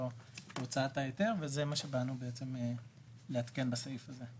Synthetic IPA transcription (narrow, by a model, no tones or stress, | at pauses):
oot͡saat̪ajot̪e̞ʁvezemaʃebanubeet͡se̞me | leat̪ke̞nbasaifaze